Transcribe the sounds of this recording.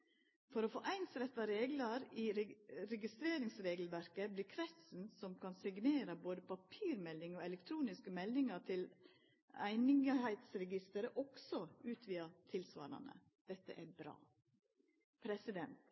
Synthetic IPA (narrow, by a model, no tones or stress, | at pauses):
fɔɾofo̰ːʔæɪnsɾɛt̪ːɑɾeːɡlɑɾiɾɛɡɪst̪ɾeːɾɪŋsɾeːɡlʋæɾkəbliːɾkʰʋɛsn̩sɔmkʰɑnsɪɡneːɾɑboːd̪əpʰɑpʰiːɾmɛlːɪŋoɛlɛkt̪ʰɾuːnɪskəmɛlnɪŋɑt̪ʰɪl | æɪnɪŋhæɪt̪sɾɛɡɪst̪əɾəʔɔksɔʉːt̪ʰʋiːɑt̪ʰɪlsʋɑ̰ːɾɑ̰nə̰ | d̪̥ɛt̪ːə̰ʔæɾbɾɑ̰ː | pʰɾɛsɪd̪ɛnt̪